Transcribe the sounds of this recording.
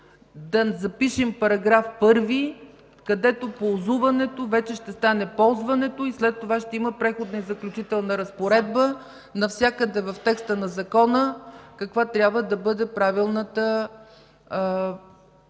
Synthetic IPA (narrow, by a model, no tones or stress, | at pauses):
d̪ɐzɐpiʃɛmpɐɾɐɡɾafpɤɾvi | kɐd̪ɛt̪opolˠzuvɐnɛt̪ovɛt͡ʃɛʃt̪ɛst̪anɛpɔlˠzvɐnɛt̪oislɛt̪ːovaʃt̪ɛiməpɾɛxod̪nɐizɐklʲut͡ʃit̪ɛlˠnəɾɐspoɾɛd̪̚bə | nɐfsʲjakəd̪ɛvɐft̪ɛkst̪ənɐzɐkɔnəkɐkvat̪ɾʲabvəd̪ɐbɤd̪ɛpɾavilˠnət̪ə